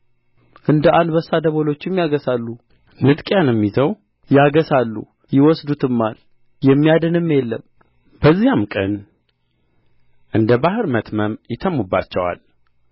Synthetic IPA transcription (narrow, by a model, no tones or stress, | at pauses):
ʔɨnd̪əʔand̪bəsːad̪əβolo̞t͡ʃːɪmːjaɡəsalːu | nɨt̪ʼkʼjanɛmːizəw | jaɡəsalːṵ | jɪwɔsd̪ut̪ʰɨmːal | jɛmːijad̪ɨnɨmːjɛlːə̰m | b̥əzːijamkʼə̰n | ʔɨnd̪əbahɨɾmət̪məmjɪt̪ʰəmːubːa̰t͡ʃːɛwa̰l